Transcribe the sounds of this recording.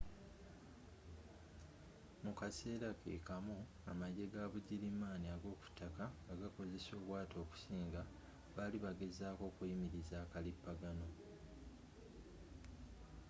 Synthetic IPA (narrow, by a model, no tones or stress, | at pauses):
mukase̞ːɾakḛːkamu | amaɟe̞ɡaβuɟilimaːniaɡo̞ːku̥tːakaaɡako̞ze̞so̞ːβwaːto̞ːku̥siːŋɡa | βaliβaɡe̞zaːko̞ːkujimiɾizaːkalipːaɡano̞